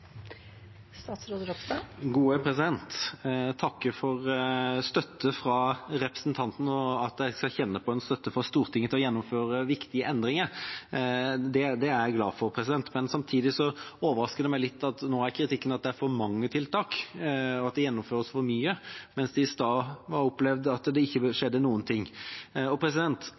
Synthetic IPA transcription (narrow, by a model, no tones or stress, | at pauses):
st̪ɑt̪sɾoːd̪ɡuːəpʰɾɛsɪd̪ɛnt̪t̪ʰɑkːəfɔɾst̪œt̪ːəfɾɑɾɛpɾəsnt̪ʰɑnt̪n̩ɔɑt̪̚d̪æɪskɑlçɛnːəpʰɔɛnst̪œt̪ːəfɾɑst̪uːɾt̪ʰɪŋːət̪ʰɪlɔjɛnːɔmføːɾəʋɪkt̪ɪəʔɛnd̪ɾɪŋəɾ | d̪ɛd̪ɛæɾɡlɑːfɔɾpʰɾɛs̬ɪd̪ɛnt̪mɛnsɑmt̪ʰiːd̪ɪsɔoːʋəɾɑskəd̪ɛmæɪlɪt̪ːɑt̪noːæɾkʰɾɪt̪ɪkːənɑt̪̚d̪ɛæɾfɔɾmɑŋːət̪ʰɪlt̪ʰɑːkɔɑt̪̚d̪ɛjɛnːɔmføːɾəsfɔɾmyːəmɛnsd̪ɛst̪ɑːʋɑɾɔplɛʋd̪ɑt̪d̪ɛɪçːəʂɛd̪ːənuːənt̪ʰɪŋːɔpʰɾɛsɪd̪ɛnt̪